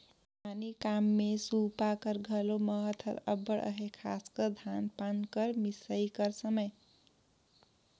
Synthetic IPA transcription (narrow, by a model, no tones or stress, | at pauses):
anikamːesupakʌɾɡʱʌlomʌɦʌt̪ʰʌ̰ɾʌbʌɽʔʌ̰ɦekʰaskʌd̪ʱanpankʌɾmisəikʌɾsʌmʌj